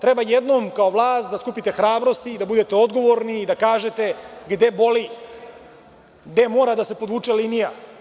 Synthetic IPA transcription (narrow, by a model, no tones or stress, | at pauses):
t̪ɾe̞bajed̪no̞ːmkao̞ʋlˠaːst̪̚d̪askupit̪e̞xɾaːbɾo̞st̪iːd̪abud̪e̞t̪e̞o̞d̪ɡo̞ʋo̞ɾniːd̪akaːʒe̞t̪e̞ɡd̪e̞bo̞li | ɡd̪e̞mo̞ːɾad̪ase̞po̞d̪uːt͡ʃelinija